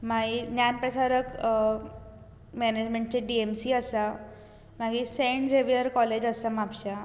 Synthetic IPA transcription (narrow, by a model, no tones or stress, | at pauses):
maɦinjanpɾəsaɾək | mɛned͡ʑmẽɳʈ̚t͡ɕeɖiemsiːəsa | m̤aɡiːseɳd͡zeʋijəɾkɔled͡ʑəsamapɕa